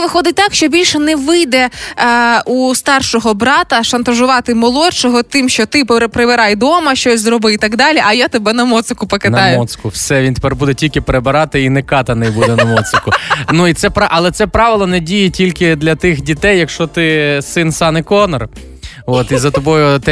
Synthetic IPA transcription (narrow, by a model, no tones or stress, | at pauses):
ʋɪxɔd̪ɪt̚ʲt̪ɑkʃt͡ʃɔbʲilʲʃɛnɛʋɪjd̪ɛ | ust̪ɑrʃɔɦɔbɾɑt̪ɐʃɐnt̪ɐʒʊʋɑt̪ɪmɔlˠɔt͡ʃɔɦɔt̪ɪmʃt͡ʃɔt̪ɪppɾebɪɾɑjd̪ɔmɐʃt͡ʃɔsʲzɾɔbɪit̪ɐɡd̪ɑlʲiʔɐjat̪ɔbɛnɐmɔt̪sɪkʊpɔkɪnɑjʊɔskʊwsɛʋʲint̪e̥pɛrbud̪ɛtʲilʲkɪpeɾebɪɾɑt̪ɪinɛkɑt̪ɐnɛjbud̪ɛnɐmɔt̪sɪkʊnuit̪sɛpɾɑʔɐlˠɛt̪sɛpɾɑʋɪlˠɔnɛdʲijɛtʲilʲkɪd̪lʲɐt̪ɪxdʲit̪ɛjːɐkʃt͡ʃɔt̪ɪsɪnsɑnɪkɔnɔr | ɔt̪izɐt̪ɔbɔjʊt̪ɛ